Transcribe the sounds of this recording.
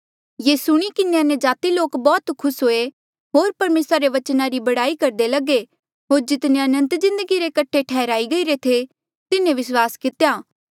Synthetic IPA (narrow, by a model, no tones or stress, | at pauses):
jeːsʊɽ̃ikɪneɐnjəd͡ʒaːt̪iloːkbɔːt̪kʰʊsɦoːe | ɦoːɾpɐɾmeːsɾaɾeʋɐt͡ʃnaɾibɐɽaːikɐɾd̪elɐɡe | ɦoːɾd͡ʒɪt̪neɐnə̃nt̪zɪ̃nd̪əɡiɾekɐʈʰːeʈʰɛːɾaːiɡɐiɾet̪ʰe | t̪ɪnẽʋɪswaːskɪt̪ejaː